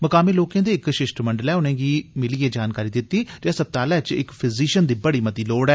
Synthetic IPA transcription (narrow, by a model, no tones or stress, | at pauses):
məkaːmiːloːkẽːd̪eːɪkʃɪʃʈməɳɖəlɛːʊnẽːɡiːmɪliːeːd͡ʒaːnkaːɾiːd̪ɪt̪ːiːd͡ʒɛːsəb̚t̪aːlɛːt͡ʃɪ̰kpʰɪziːʃənd̪iːbəɽiːmət̪iːloːɽɛː